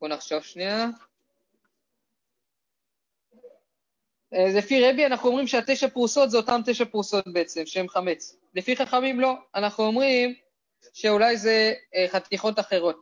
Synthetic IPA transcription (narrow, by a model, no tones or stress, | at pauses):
unaχʃavʃnia | elefiʁebianaχnuo̞mʁimʃeateʃapʁuso̞t̪zeotamt̪eʃapʁuso̞t̚be̞et͡se̞mʃeemχame̞t͡s | le̞fiχaχamimlo̞anaχnuo̞mʁim | ʃe̞ulajze̞χat̪iχo̞taχe̞ʁo̞t̚